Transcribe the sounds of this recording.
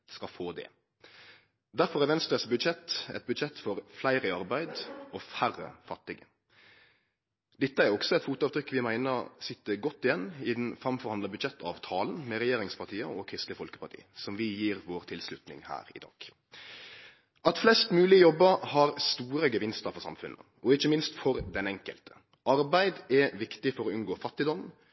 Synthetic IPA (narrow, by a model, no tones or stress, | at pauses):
skɑfoːd̪ɛ̰ | d̪æɾfɔɾʁæɾʋɛnst̪ɾəsbʉd̪ʃɛt̪ːɛ̰t̪̚bʉd̪ʃɛt̪ːfɔɾflæɪɾəɑɾbæɪd̪ɔfærə̰fɑt̪ːɪɡə | d̪̥ɛt̪ːəæɾɔksɔɛt̪fuːt̪ʊɑːʋt̪ʰɾʏkːʋɪmæɪnəɾ̰sɪt̪ːəɡɔt̪ːɪjɛnːɪd̪n̩fɾɑmfɔʁhɑnd̪əbʉd̪ʃɛt̪ːɑːʋt̪ʰɑːlnmɛɾɛjeːɾɪŋspʰɑʁt̪ʰiːəɔkʰɾɪst̪ləfɔlkə̥pʰɑɾt̪ʰḭːsɔmʋɪjiːɾʋoːɾt̪ʰɪlslʉt̪nɪ̰ŋhæ̰ːɾɪ̰d̪ɑ̰ːɡ̥ | ʔɑt̪flɛst̪mʉːlɪəjɔbːəhɑɾst̪uːɾəɡəʋɪnst̪əɾfɔsɑ̰mfʉnʔə̰ | ɔɪçəmɪnst̪fɔɾd̪ɛnɛŋkə̰lt̪ʰə̥ | ʔɑɾbæɪd̪ɛʋɪkt̪ɪfɔɾɔʉnɡoːfɑt̪ːɪd̪ɔm